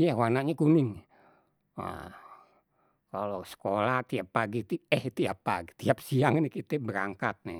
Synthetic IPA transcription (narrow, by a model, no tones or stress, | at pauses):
jahwanaɲakunɪŋ | a̰ | kalosə̥kolaht̪iapːaɡit̪iɛht̪iapːa̰ɡit̪iap̚siaŋnihkit̪ɛbəɾa̰ŋkat̪̚nɛ̰